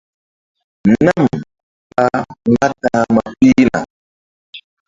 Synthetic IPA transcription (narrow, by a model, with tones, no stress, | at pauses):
na˦m | ɓa˦˨ŋa˦ta˨˦ma˨pi˦na̰˨